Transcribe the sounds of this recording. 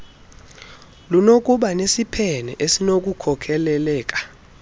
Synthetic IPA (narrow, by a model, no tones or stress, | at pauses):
lunok̬ʼuɓanesipʰɛnɛʔesinok̬ʼukʰɔkʰɛlɛlɛːk̬ʼḁ